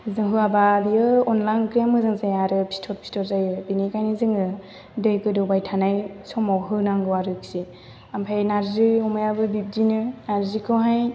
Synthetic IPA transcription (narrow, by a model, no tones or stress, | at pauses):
zɯŋɦɯabadiɯɔnlankɾijamɯzɯŋzajaɾɯpʰi̥tʰɔt̚pʰi̥tʰɔɾzajɯbinikajnɯzɯŋɯ | dɯjkɯdɯbajtʰanajsɔmawɦɯnaŋɡɯwaɾɯksi | ampʰajnaɾzɯɔmajabɯbib̚dinɯnaɾzikʰɯɦaj